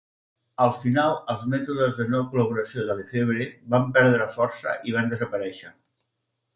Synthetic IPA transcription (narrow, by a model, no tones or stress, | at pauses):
əlˠfinalˠəlˠzmɛt̪uðəzðənɔkuləβ̞uɾəsioðəðəfeβɾeβampɛɾðɾəfɔrsə̰ʔiβ̞and̪əzəpəɾɛʃə